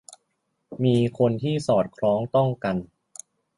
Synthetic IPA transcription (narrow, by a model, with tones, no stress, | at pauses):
miː˧kʰo˧nt̪ʰiː˥˩sɔː˨˩t̪̚kʰɾɔː˦˥ŋt̪ɔ˥˩ŋka˧n